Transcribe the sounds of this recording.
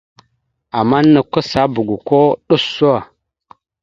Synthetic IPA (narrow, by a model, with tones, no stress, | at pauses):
a˨ma˦nːə˨kə˦sa˨˦bu˨ɡu˨ko˦ɗu˦sːu˦wa˨